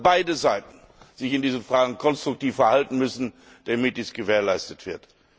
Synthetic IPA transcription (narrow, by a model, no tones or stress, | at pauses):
baɪdəzaɪtn̩ | z̥ɪçɪndiːznfʁ̥aːɡŋ̩kʰɔnstʁ̥ʊk̚tiːfɛɐhaltn̩mʏsn̩ | d̥amɪt̚d̥iːsɡ̥əveːɐlaɪstətv̥ɪɐt